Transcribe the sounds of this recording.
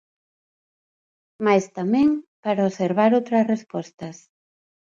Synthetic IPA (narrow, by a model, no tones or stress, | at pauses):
majst̪amɛ̃ŋpaɾaoseɾβaɾowt̪ɾɐsrespɔst̪ɐs